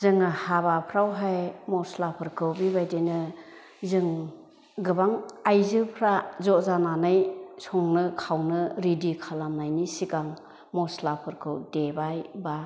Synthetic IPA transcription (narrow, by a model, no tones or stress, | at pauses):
zɯŋɯhabapʰɾawɦajmɔslapʰɯɾkʰɯwbibajdenɯ | zɯŋ | ɡɯbaŋajzɯpʰɾazɔzananajsɔŋnɯkʰawnɯɾidikʰalamnajnisikaŋ | mɔslapʰɯɾkʰɯwdebajba